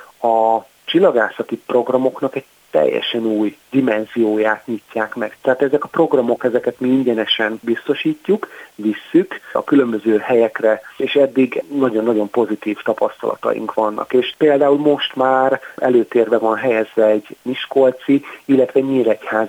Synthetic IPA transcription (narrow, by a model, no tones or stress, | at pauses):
ɒ | t͡ʃilːɒɡaːsɒt̪ipro̞ɡrɒmo̞knɒkɛɟ | t̪ɛ̰jːɛ̰ʃɛnuːjd̪imɛnzijoːjaːt̪ɲicːaːkmɛkt̪ɛɦaːt̪ɛzɛkɒpro̞ɡrɒmo̞kɛzɛkɛt̪miiɲɟɛnɛʃɛnbist̪o̞ʃiːcːukvisːykɒ̰kylø̞mbø̞zøːhɛjɛkrɛeːʃɛd̪ːiɡnːɒɟo̞nːɒɟo̞mpo̞zit̪iːft̪ɒpɒst̪ɒ̰lɒ̰t̪ɒ̰jḭŋkʋɒnːɒ̰keːʃpeːld̪aːulmo̞ʃt̪maːrɛ̰løːt̪eːrbɛvɒnɦɛjɛzʋɛɛɟmiʃkolt̪siilːɛt̪ʋɛɲiːɾɛchaːz